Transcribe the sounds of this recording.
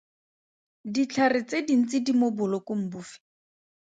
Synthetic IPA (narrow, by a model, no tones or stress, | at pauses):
dit͡ɬʰarɪt͡sedin̩t͡sɪdimobʊlɔkʊm̩buːfɪ̥